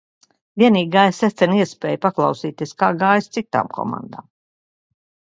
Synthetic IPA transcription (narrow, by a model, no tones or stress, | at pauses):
viɛniːɡaːjsɛt̪sʲɛniɛspʲeːjpaklˠɑwsiːt̪ieːskaːɡaːjst̪sit̪a̰ːmkʰɔ̰ma̰nd̪a̰ːm